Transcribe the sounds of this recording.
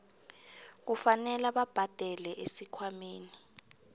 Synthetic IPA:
k̬ufanɛlaɓab̥ʱad̥ʱɛlɛʔesikʰwameːni

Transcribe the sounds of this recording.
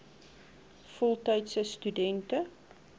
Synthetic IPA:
fɔlˠtɛjtsəstydɛntə

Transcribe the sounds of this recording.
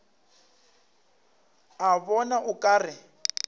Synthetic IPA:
aβɔnaʔʊkʼaːrɪ

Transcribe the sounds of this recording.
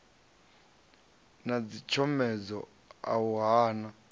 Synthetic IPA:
nad͡zit͡ʃʰɔmɛd͡zɔ̰ | a̰wɦaːna

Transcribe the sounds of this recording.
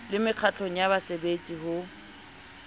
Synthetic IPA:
lɪmɪq͡χʰat͡ɬʰoŋ̩jaβasebet͡sʼihʊ

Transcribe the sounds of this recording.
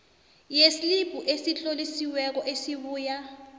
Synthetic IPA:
jesilib̥ʱuʔesiɬʼolisiwɛk̬ɔʔesiɓuːja

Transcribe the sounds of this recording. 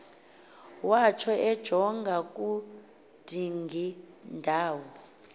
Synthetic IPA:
wat͡ʃʰɔɛd̥ʒ̥ʱɔŋɡʱakʼu | d̥ʱiŋɡʱi | ndʱaːwɔ

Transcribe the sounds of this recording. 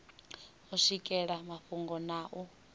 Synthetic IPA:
ɔʂikʼɛɺamaɸuŋɡɔnaʔu

